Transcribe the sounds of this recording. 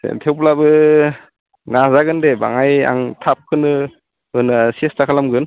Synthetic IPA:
sḛtʰewplabɯ | nazaɡɯndeba̰ŋaja̰ŋtʰap̚kʰɯnɯ | ɯnasestʰakʰalamɡɯn

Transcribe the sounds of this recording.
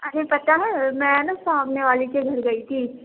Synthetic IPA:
ɐɾepɐt̪aɦɛmɛ̃nɐsaaːbneʋaːlikeɡʱɐɾɡɐit̪ʰiː

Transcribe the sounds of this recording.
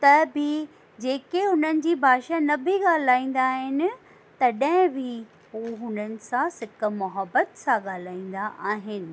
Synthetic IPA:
t̪ɐbɪ | d͡ʑeːkeɦʊn̤ənɪ̆d͡ʑiːbʱaːʃanɐbʱɪɠaːl̤aːĩːn̆d̪aːɦɪnɪ̆ | t̪ɐɗə̃ɦɪ̃bʱɪ | ɦuɦʊn̤ənɪ̆sãsɪkmʊɦəbːət̪sãɠaːl̤aːĩːn̆d̪aʔaːɦɪnɪ̆

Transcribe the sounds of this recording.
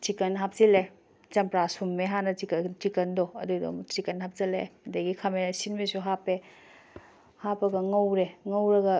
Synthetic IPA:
t͡ʃikɐnɦap̚zile | t͡ʃɐmpɾasumːeɦanɐikt͡ʃikɐndɔɐdudo̰t͡ʃikɐnhap̚zɐlḛdɐɡikʰamesinmesuɦape | hapɐɡɐŋɐwɾeŋɐwɾɐɡɐ

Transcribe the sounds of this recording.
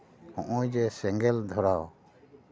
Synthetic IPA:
hɔ̃ʔɔjd͡ʒɛsɛŋɡɛld̪ʱɔɾaw

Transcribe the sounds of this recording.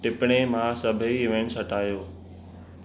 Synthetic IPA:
ʈɪpɽ̃emãsɐbʱiɪʋẽɳsɐʈʰaːjoː

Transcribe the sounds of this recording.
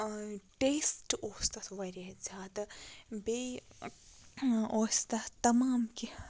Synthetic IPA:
ʈeːsʈoːst̪ɐt̪ʋɐɾɐzʲaːd̪ɐbe | oːst̪ɐt̪ɐmaːmki

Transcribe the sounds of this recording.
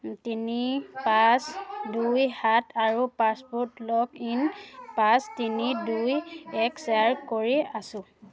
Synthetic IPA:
tinipasdujhatʰaɹupaspɔtlɔkinpastinidujɛksaɹkoɹiasʊ̃

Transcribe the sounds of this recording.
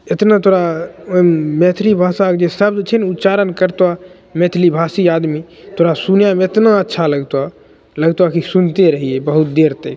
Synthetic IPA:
et̪nat̪oɾa | met̪ʰlibʱasakd͡ʒesəbd͡ʒet͡ʃʰɛnut̪t͡ʃaɾənkəɾt̪wa | met̪ʰlibʱasiad̪mi | t̪oɾasunjamẽet̪naətːʃʰaləɡt̪wa | ləɡt̪wakisunt̪eɾəɦiebəɦut̪̚d̪eɾt̪e

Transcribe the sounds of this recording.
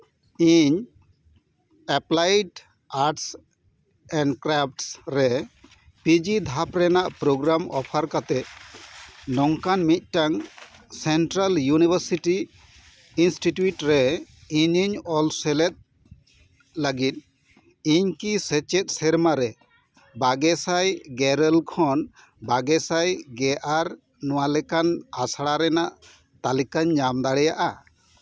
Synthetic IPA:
iɲ | ɛplajɖ | aɾʈs | ɛ̃ɳɖkɾap̚ʰʈsɾɛ | pid͡ʒid̪ʱapɾɛnaʔpɾoɡɾamɔ̰pʰaɾkat̪ɛt̪̚ | nɔŋkanmit̪̚ˀʈaŋsɛnʈɾaljunibəɾsiʈi | insʈiʈjuʈɾɛiɲiɲɔlsɛlɛt̪̚ | laɡit̪̚ | iɲkisɛt͡ʃɛt̪̚sɛɾmaɾɛ | baɡɛsajɡɛɾɛlkʰɔn | baɡɛsajɡɛʔaɾ | nɔwalɛkanasaɽaɾɛnaʔ | t̪alikaɲːamd̪aɽɛjaʔa

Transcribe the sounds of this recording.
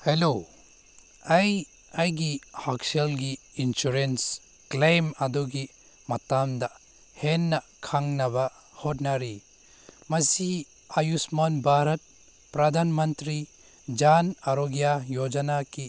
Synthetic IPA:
helo | ɐj | ɐjɡihakselɡiinsuɾens | klejmɐdɔɡi | mɐtamd̪a | henːɐkʰaŋnɐbɐ | hotnaɾi | mɐsi | ajusmanbʱaɾɐt̚ | pɾɐd̪ʱanmɐnt̪ɾi | d͡ʒanaɾoɡjajod͡ʒɐnaki

